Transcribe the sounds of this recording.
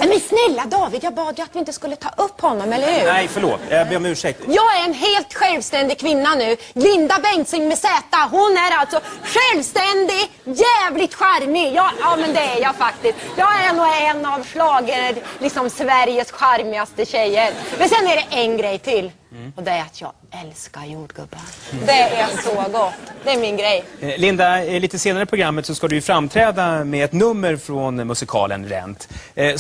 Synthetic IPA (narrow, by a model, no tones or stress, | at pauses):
ɛmɛnsnɛlːad̪ɑːvɪd̪jɑːɡbɑːd̪jɵat̪vɪɪnt̪əskɵlːət̪ʰɑ̰ːʔɵpːhɔnːɔmɛlːəɾhʉːɛjfœɭo̰ːt̪ːɔmʉ̟ːʂɛkt̪jɑːɡæɾɛnɦeːlt̪ɧɛlvst̪ɛnd̪ɪɡkʰvɪnːanʉ̟ː | lɪnd̪abɛŋsʏŋmɛsɛːt̪aɦʊnæɾalt̪sɔɧɛlvst̪ɛnd̪ɪ | jæːvlɪt̪ɧaɾmɪjɑːjɑːmɛnd̪ɛːɾjɑfak̚t̪ɪst̪jɑːɡænuːɛnːavslɑːɡəlɪksɔmsvæɾjəsɧaɾmɪast̪əɕɛjːəɾmɛnsɛnːæɖɛʔɛnɡɾɛjt̪ʰɪlː | ɔd̪ɛæɾat̪ʰjɑ̰ː | ɛlskaɾjuːɖɡɵ̰bːand̪ɛɛnsɔɡɔt̪ːd̪ɛːɾmɪnɡɾɛjlɪnd̪aɛɭiːt̪əseːnaɾəpʰɾʊɡɾamːət̪sɔskad̪ɵjɵfɾamːt̪ʰɾɛːd̪amɛɛt̪nɵmːəɾfɾɔnmɵsɪkʰɑ̰ːlə̰nɾɛ̰nt̪